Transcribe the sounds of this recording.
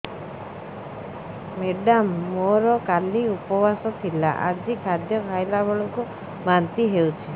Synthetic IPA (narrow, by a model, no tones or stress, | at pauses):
meɖamːoɾɔkaliupɔbasɔt̪ʰila̰ʔa̰d͡ʒikʰad̪jɔkʰajlabɔɭɔku | mant̪iɦewt͡ʃʰi